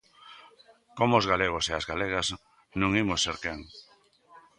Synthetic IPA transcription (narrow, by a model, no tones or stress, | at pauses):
komoːzɣaleɣ̞oseazɣaleɣ̞ɐs | nũŋimosːeɾkeŋ